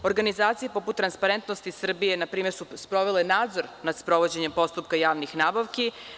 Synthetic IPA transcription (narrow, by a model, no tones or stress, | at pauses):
oɾɡanizaːt̪sijepo̞put̪ːɾanspaɾe̞nt̪nost̪isr̩bijenapɾiːmesuspɾo̞ʋelenaːd̪zo̞ɾnad̪spɾo̞ʋod͡ʑe̞ɲe̞mpo̞st̪up̚kajaːʋnixnaːbaʋki